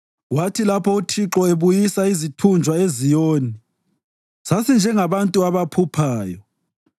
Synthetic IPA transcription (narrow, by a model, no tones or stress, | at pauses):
watʰilapʰɔutʰiǁɔeβujisaizitʰund͡ʒʱwaezijoːni | sasind͡ʒʱɛŋaβantʼuaβapʰupʰaːjɔ